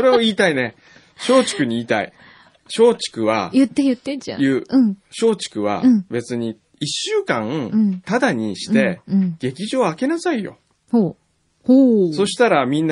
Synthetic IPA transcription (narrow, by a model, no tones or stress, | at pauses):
soɾe̞o̞iːt̪aine̞ | ɕo̞ːt͡ɕi̥kɯ̟ɲ̟iiːt̪aḭ | ɕo̞ːt͡ɕi̥kɯ̟βajɯt̪ːet̪ːḛjɯ̟ːɯ̃ɕo̞ːt͡ɕi̥kɯ̟βa̰be̞t͡sɨɲ̟i | iɕːɨːkãŋt̪ad̪aɲ̟iɕi̥t̪e̞ɡ̥e̞kʲiʑo̞ːake̞nasaijo̞̰ | ho | hoso̞ɕi̥t̪aɾamʲĩnː